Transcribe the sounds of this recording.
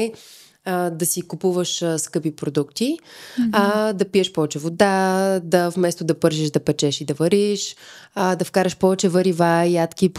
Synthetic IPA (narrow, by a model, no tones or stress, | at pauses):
d̪ɐsikupuvəʃskɤpipɾod̪ukt̪i | d̪ɐpiɛʃpɔvɛt͡ʃɛvod̪ad̪ɐfmɛst̪od̪ɐpɤɾʃiʒd̪ɐpɛt͡ʃɛʃid̪ɐvɐɾiʃd̪ɐfkaɾɐʃpɔvɛt͡ʃɛvɐɾivajat̪k̟ip